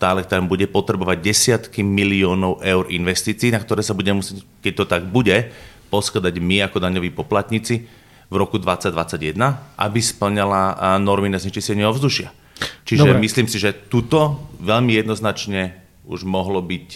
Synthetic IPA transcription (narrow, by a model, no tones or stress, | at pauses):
t̪aːlɛkt̪ambuɟɛpɔt̪ɾɛbɔʋaɟ̚ɟɛsɪat̪kimiliɔːnɔʊʔɛʊɾʔinʋɛst̪iːt͡siːnak̚t̪ɔɾɛːsabuɟɛmɛmusɪjɛc | kɛc̚t̪ɔt̪aɡbuɟɛpɔskad̪aɟmiakɔd̪aɲɔʋiːpɔplat̪ɲit͡si | vɾɔkud̪ʋat͡sːaɟd̪ʋat͡sːaɟjɛd̪naʔa̰bispl̩ɲalanɔɾminazɲɛt͡ʃiscɛɲɪɛɔvzd̪uʃɪa̰ | t͡ʃiʒɛmisliːmsiʒɛt̪ut̪ɔʋɛʎmijɛd̪nɔznat͡ʃɲɛ | ṵʒmɔɦlɔbic